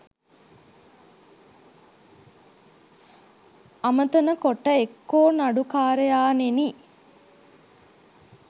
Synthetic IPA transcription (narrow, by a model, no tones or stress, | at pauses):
amət̪ənəkoʈːəekːoːnaɖukaːɾəjaːneni